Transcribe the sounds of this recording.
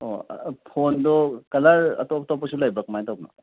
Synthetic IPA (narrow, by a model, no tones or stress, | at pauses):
o̰pʰondɔkɐlaɾɐ̰tɔptɔpːɐsulajbɐk̚majtawbnɔ̰